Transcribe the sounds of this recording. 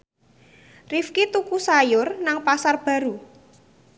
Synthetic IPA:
rifkit̪ukusajʊrnaŋpasarb̥a̤ɾu

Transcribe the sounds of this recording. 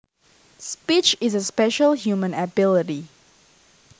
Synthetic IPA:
spit͡ʃɪzəspɛʃəlˠhjumə̃nəbɪlɪti

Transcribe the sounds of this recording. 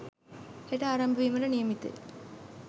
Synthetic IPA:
eʈaːɾɐmbʱɐʋimɐɾɐnijɐmit̪ːɨ̰l

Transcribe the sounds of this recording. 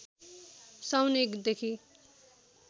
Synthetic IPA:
sawnekd̪ekʰi

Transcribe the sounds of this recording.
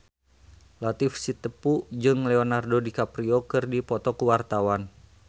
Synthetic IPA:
lat̪ifsit̪əpud͡ʒɨŋlɛɔnardodikapɾiɔkɨrdipɔt̪ɔkuwart̪awan

